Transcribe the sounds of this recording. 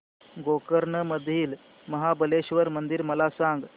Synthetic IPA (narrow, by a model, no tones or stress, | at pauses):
ɡokəɾɳəməd̪ʱiːl | məɦabəleɕʋəɾmənd̪iɾməlasãŋɡ